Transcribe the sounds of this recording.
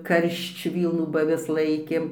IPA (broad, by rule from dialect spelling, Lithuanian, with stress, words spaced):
ˈkɐrʃt͡ʃ ˈʋʲiːlˠnuː bɐ ɐˈʋʲɪs ˈlˠɐɪkʲeːm